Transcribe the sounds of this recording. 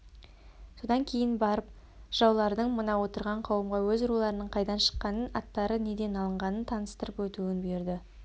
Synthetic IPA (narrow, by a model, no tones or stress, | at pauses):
so̞d̪ɑŋkʲʰe̞jɪnbɑɾəp | ʒ̥ɑwlˠɑɾd̪əɴmənɑwo̞t̪əɾʁɑɴqʰɑwəmʁɑwɵzʊɾulˠɑɾənəɴqʰɑjd̪ɑnʃə̥qːɑnənɑ̰t̪ːɑɾəne̞d̪e̞nɑlˠəɴʁɑnənt̪ʰɑnəst̪əɾəpwɵt̪uɪnbeɾd̪ɪ